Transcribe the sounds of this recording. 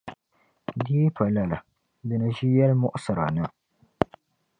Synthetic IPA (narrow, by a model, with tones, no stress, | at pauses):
diː˦pa˨la˨la˨ | dɨ˨nɨ˨ʒi˦jɛ˦lmʊ˦ʔʊ˦sɨ˨ɾa̰˨nɨ˦